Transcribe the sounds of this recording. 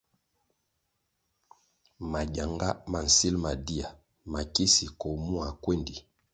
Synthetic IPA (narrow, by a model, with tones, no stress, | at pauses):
ma˨ɟa˨ŋɡa˦ma˨n̩˨si˦lma˨di˦a˨ | ma˨ki˦si˨ko˨mu˦a˨kwe˦ndi˨